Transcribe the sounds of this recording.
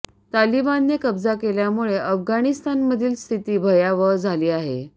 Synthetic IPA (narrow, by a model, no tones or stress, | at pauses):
t̪alibanːekəbd͡zakeljamuɭeʔəfɡaɽ̃ist̪anməd̪ʱiːlst̪ʰit̪iːbʱəjaʋəd͡zʱaliːaɦḛ